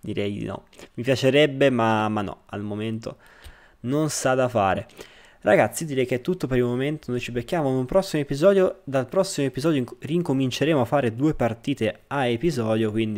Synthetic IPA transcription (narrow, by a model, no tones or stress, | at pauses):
d̪iɾɛjd̪ḭnɔ̰mipjat͡ʃeɾɛbːemamanːɔ̰a̰lmoment̪o̰ | nonsad̪afa̰ːɾḛ | ra̰ɡat̪sːid̪iːɾɛjk̟et̪ːut̪ːopeɾilmoment̪onojt͡ʃibekːjaːmonupɾɔsːimoepizɔːd̪jod̪alpɾɔsːimoepizɔːd̪oriŋkomint͡ʃeɾeːmoafːaːɾed̪uːepart̪iːt̪eaepizɔːd̪jokwind̪i